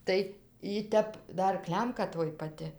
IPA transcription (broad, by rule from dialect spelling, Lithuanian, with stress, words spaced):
ˈtɐɪ iː ˈtʲɛp ˈdɐr ˈklʲɛmkɐ ˈtoːj pɐˈtʲɪ